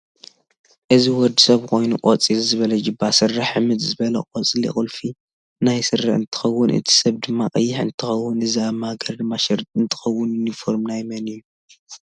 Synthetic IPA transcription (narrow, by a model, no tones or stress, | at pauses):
ʔɨziwɔd̪ːisɐβkʰo̞jnukʼot͡sʼilzɨβɐlɐd͡ʒɨbːasɨrːɨħʕɨmɨt̪zɨβɐlɐkʼot͡sʼilḭxʼɨlfi | najsɨrːa̰ħɨnt̪ʰɨ̥xɐwːʊnʔɨ̰t̪ʰi̥sɐβd̪ɨmːakʼɐjːɪħɨ̰nt̪ʰɨxɐwːʊnɨziamaɡɐɾd̪ɨmːaʃɐɾt̪ɨnt̪ʰɨ̥xɐwːʊnjunifo̞ɾmnajmɐnɨjːu